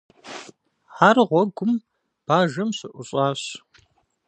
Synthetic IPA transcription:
ʕarʁʷɔɡʷʊm | b̥aːʒɐmɕɪʔʷʊɕʼɑːɕ

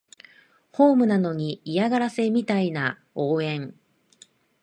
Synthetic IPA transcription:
ho̞ːmɯ̟nano̞ɲ̟iːjaɡaɾase̞mʲit̪aina | o̞ːẽ̞ɴ

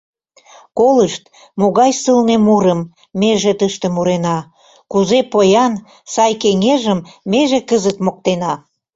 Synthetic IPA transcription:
koləʃt̪ | moɣɑjsəlnemuɾəmː | eʒet̪əʃt̪ĕmuɾenɑ | kuzepojɑn | sɑjkeŋeʒəmːeʒekəzət̪mok̚t̪enɑ

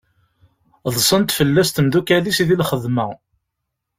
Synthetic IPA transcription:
ðˤsˤənt̪fəlːæst̪əmðukælisiðilχəðmæ

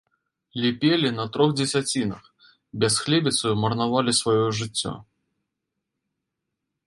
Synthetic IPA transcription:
lʲipʲelʲinɐt̪ɾɔɣd͡zʲɛsʲat͡sʲinɐ̰x | bʲɛsxlʲɛbʲit̪sɐjumɐrnavalʲisvajɔʐɨt͡sʲːɔ̰

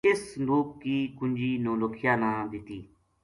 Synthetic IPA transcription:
ɪsnd̪uːk̚kiːkʊɲd͡ʒiːnõːləkʰɪjaːnãːd̪ɪt̪iː

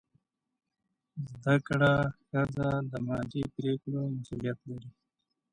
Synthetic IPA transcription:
zd̪akɽaxazaləmɑːdipɾekɽomasulijat̪laɾi

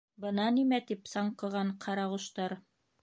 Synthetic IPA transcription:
bɤ̆nɑnimæt̪ipsɑɴqɤ̆ʁɑɴqʰɑɾɑʁŭʃt̪ɑɾ

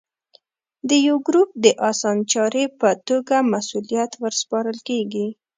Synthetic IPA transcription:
d̪əjawɡɾup̚d̪əʔɑsɑnt͡ʃɑɾepət̪oɡamasulijat̪wəɾspɑɾəlkeɡi

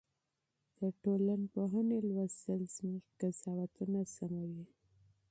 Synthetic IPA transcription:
d̪̥əʈolanpoɦanelwast̪əlz̥muʒkazɑwat̪unasamawi

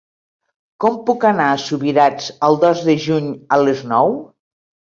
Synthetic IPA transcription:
kɔmpukanaːsuβiɾad͡zəlˠd̪ɔzðəʒuɲələznɔw

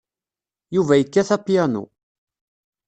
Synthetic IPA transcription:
juvæjəkːæθæpijænṵ

